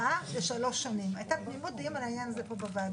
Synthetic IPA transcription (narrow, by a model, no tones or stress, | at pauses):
aleʃalo̞ʃanimajt̪apnimod̪imɾajanzepobava